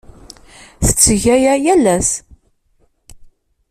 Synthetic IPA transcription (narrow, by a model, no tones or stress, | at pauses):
θə̥t͡sːəʝæjæjælːæs